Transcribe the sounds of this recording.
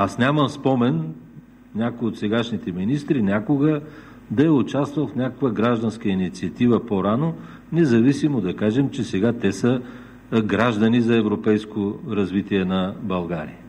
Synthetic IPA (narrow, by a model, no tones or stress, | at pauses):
asnʲaməmspɔmɛn | nʲakojot̪sɛɡaʃnit̪ɛminist̪ɾinʲakoɡə | d̪ɐɛʊt͡ʃast̪vɐlˠfnʲakəkvəɡɾaʒd̪ɐnskəinit̪siɐt̪ivəpoɾano | nɛzɐvisimod̪ɐkaʒɛmt͡ʃɛsɛɡat̪ɛsə | ɡɾaʒd̪ɐnizɐɛvɾopɛjskoɾɐzvit̪iɛnɐbɐlˠɡaɾḭə